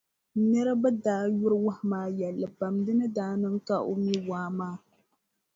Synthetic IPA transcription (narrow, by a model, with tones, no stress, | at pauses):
nɛ˦ɾa˦bɛ˦daː˦jʊ˦ɾɨ˦wʊ˦hɪ˦maː˦jɛ˨lːɨ˨pa˨mdɨ˦nɨ˦daː˦nɨ˦ŋ̩˦ka˦ʔo˦mi˦waː˦maː˦